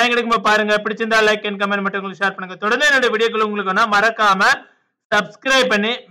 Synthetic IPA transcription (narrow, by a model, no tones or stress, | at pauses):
jɐŋɡɐɽɯk̬ːɯmɐpaːɾɯŋɡɐpɪɽɪt͡ʃːɪɾɯnd̪aːlɐɪkːɛnk̬ɐmːenmɐʈːɐʊŋɡɐɭkʂaːɾpɐɳːɯŋɡɐt̪ɔɽɐnd̪ɐɛnːoɽɐjɐʋiːɽɪjɐk̬ːɐɭɯʊŋɡɐɭɯkːɐnːaːmɐɾɐkːaːmɐ | sɐbskɾɐɪpɐɳːi